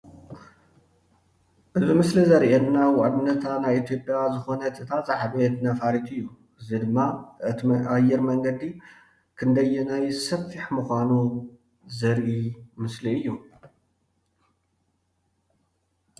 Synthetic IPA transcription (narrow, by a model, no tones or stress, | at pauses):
ʔɨzimɨslizɐɾʔenːawaʔd̪unːɐt̪ʰanajit̪ʰjo̞pʼjazɨxo̞nɐt̪ʰɨt̪ʰazaħbɐt̪nɐfaɾit̪ʰɨjːu | ʔɨzid̪ɨmːaɨajːɛɾmɐŋɡɐd̪i | kʰɨnd̪ɐjːunajsɐfːiħmɨxʷanu | zɐɾʔimɨsliɨjːu